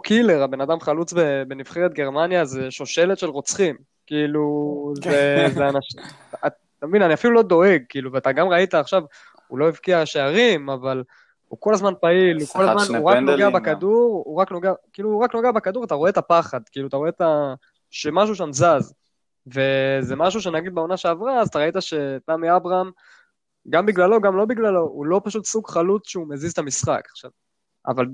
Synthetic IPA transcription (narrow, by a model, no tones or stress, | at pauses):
kʰile̞ʁabe̞nad̪amχalut͡sbebe̞niv̥χeʁet̪ɡe̞ʁmanjazeʃo̞ʃe̞let̪ʃe̞lʁot͡sχim | kiːluzezeanaʃ | t̪amevinaniafilulo̞d̪o̞e̞ɡ̚kiːluveat̪aɡamʁait̪aːχʃav | ulo̞ivkiaʃeaʁimaval | uko̞lazmanpailukolazmanuʁaknoɡeabekad̪uʁuʁaknoɡeakiiluuʁaknoɡeabekad̪uʁat̪aʁoe̞t̪apaχad̪kiiluat̪aʁo̞e̞t̪a | ʃemaʃ̬uʃ̬amzaz | ve̞zemaʃ̬uʃ̬e̞naɡid̪beo̞naʃe̞avʁaːzat̪aʁait̪aʃe̞tamiabʁaam | ɡambiɡlalo̞ɡamlo̞biɡlalo̞ulo̞paʃut̪suɡχalut͡sʃeumezizt̪amisχa̰kḁχʃav | a̰val